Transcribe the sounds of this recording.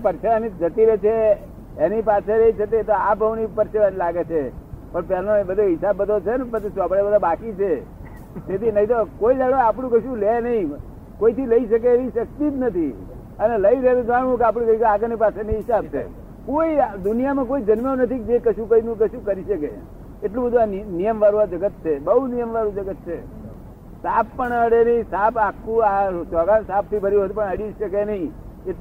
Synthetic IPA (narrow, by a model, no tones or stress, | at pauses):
pəɾʃeʋanid͡ʒət̪iɾet͡ʃʰeː | nipasʰeɾeit͡ʃʰət̪et̪oapəʋnipəɾʃeʋanilaɡet͡ʃʰepəɳpɛlnobəd̪ʱoɦɪsabːəd̪ʱot͡ʃʰenepət͡ʃsʋabɭebəd̪ʱobakit͡ʃʰe | t̪et̪inəĩt̪okoid͡ʒaɽoapɳũkəʃũlenəɦĩ | koit̪ʰiləiʃək̬eːʋiʃək̚t̪it̪nət̪ʰi | əneləiɾəɦelũd͡ʒaɳũkeap̬ɽ̃ikəikaɡnipaseneɦɪsab̚t͡ʃʰḛ | koid̪ʊnijamãkoid͡ʒənməonət̪ʰik̚d͡ʒekəʃũkəinũkəʃũkəɾiʃəke | eʈlũbəd̪ʱuanijəmʋaɾũad͡ʒəɡət̪̚t͡ʃʰebəunijəmʋaɾũd͡ʒəɡət̪̚t͡ʃʰe | sappəɳəɽenəɦĩsapakʰːũasɔɡansap̚t̪ʰibʱəɾiət̪pəɳəɽiʃəkenəɦĩ | e